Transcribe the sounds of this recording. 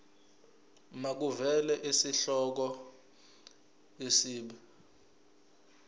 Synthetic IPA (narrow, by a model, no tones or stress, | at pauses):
mak̬uvɛlɛʔisiɬɔk̬ɔ | esiːɓɛ